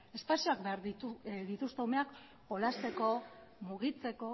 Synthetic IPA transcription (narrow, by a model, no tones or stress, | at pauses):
e̞spasioakbe̞aɾiðit̪ust̪eume̞ak | po̞last̪e̞ko̞muɣ̞it͡se̞ko̞